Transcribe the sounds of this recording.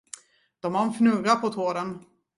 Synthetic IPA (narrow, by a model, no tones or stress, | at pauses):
d̪̥ɔmhaɾɛnfnɵɡapʰɔt̪ʰoːɾən